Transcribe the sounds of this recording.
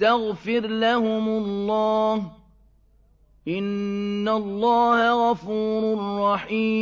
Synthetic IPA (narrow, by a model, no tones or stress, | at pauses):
aɣfɪɾlahʊmʊlːɑːh | ʔɪnːalːɑːhaɣɑfuːɾrˤːɑħiː